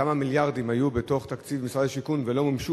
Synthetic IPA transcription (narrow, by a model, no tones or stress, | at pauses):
amamiljaʁd̪imhajubet̪o̞χt̪akt͡sivmisʁad̪aʃikunvelo̞mamʃu